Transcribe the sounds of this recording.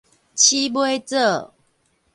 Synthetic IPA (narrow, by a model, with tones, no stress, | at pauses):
t͡ɕʰi˦bwe˦t͡sə˥˨